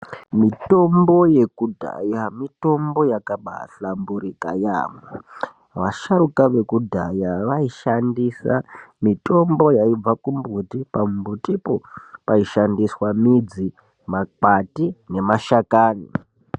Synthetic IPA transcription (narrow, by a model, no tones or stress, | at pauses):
mito̞mbo̞je̞kudʱa̰jamito̞mbo̞jakaɓa̰ɬambuɾika̰ja̰mwa | ʋaʃaɾukaʋe̞kudʱajaʋaiʃandisamito̞mbo̞jaib͡vakumbutipabutipopaiʃandiswamid͡zi | makatine̞maʃakaːni